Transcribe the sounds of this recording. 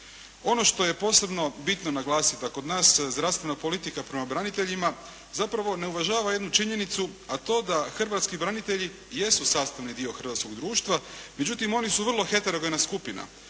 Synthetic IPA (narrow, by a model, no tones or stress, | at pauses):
o̞no̞ʃt̪o̞je̞po̞ːse̞bno̞bit̪no̞naɡlˠaːsit̪ako̞d̪naːszd̪ɾavst̪ʋe̞napo̞lit̪ikapɾe̞mabɾanit̪e̞ʎima | zapɾaʋo̞ne̞uʋaʒaːʋaje̞d̪nut͡ʃiɲe̞nit̪suat̪o̞ːd̪axr̩ʋat̪skibɾanit̪eʎi | je̞susaːst̪aʋnid̪io̞xr̩ʋat̪sko̞ɡd̪ɾuːʃt̪ʋame̞d͡ʑut̪imo̞nisuʋr̩lˠo̞xe̞t̪eɾoɡonaskupina̰